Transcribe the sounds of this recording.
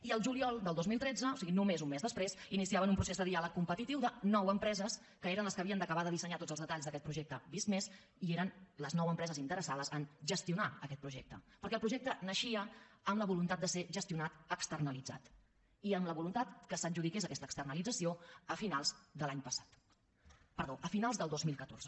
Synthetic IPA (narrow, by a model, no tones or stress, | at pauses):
iəlˠʒuliɔlˠd̪əlˠd̪ozmilˠt̪ɾɛd͡zəosiɣinumezunmezðəspɾezinisiaβənumpɾusezðəðialəkːumpət̪it̪iwðənɔwəmpɾɛzəs | kəeɾənləskəβiənd̪əkəβaðəðisəɲat̪odd͡zəlzðət̪aʎzðəkɛt̪̚pɾuʒɛk̚t̪əbist̪mes | ieɾənləznɔwəmpɾɛzəzint̪əɾəsaðəzənʒəst̪iunaəkɛt̪pɾuʒɛk̚t̪əpəɾkɛlˠpɾuʒɛk̚t̪ənəʃiəəmləβulunt̪at̪̚d̪əseʒəst̪iunat̪əkst̪ərnəlid͡za̰t̪ | iəmləβulunt̪at̪kəsənʲʒuðikezəkɛst̪əkst̪ərnəlid͡zəsioəfinalˠzd̪əlaɲpəsḁt̪ | pəɾðoʔəfinalˠzðəlˠd̪ozmilˠkət̪o̰ɾrzə